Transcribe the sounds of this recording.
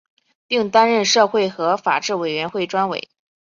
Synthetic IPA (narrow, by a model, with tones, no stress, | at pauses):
pi˥˩ŋt̪a˥nɻə˥˧nʂɤ˥˧xwe˥˩ɪxɤ˧˥fa̰˨˩ʈ͡ʂɻ̩˥˩we˨˩ɪɥɛ˧˥nxwe˥˩ɪʈ͡ʂwa˥nwḛ˨˩˦ɪ